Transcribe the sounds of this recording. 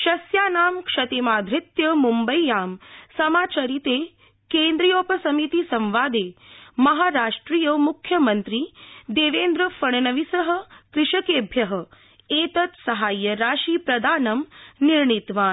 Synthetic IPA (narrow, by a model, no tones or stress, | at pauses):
ʃɐsjaːnaːmkʂɐt̪emaːd̪ʱɾit̪jɐmumbɐjjaːmsɐmaːt͡ʃɐɾit̪eː | kẽːnd̪ɾijoːpɐsɐmit̪isɐ̃mʋaːd̪eːmɐɦaːɾaːʂʈɾiːjɐmukʰjɐmɐnt̪ɾiːd̪eːʋeːnd̪ɾɐfɐɳ̃nɐʋisɐɦɐ̆kɾɪʂɐkeːbʱjɐɦə̆ | eːt̪ɐt̪sɐɦaːjːɐɾaːʃiːpɾɐd̪ʱaːnɐmniɾɳit̪ʋaːn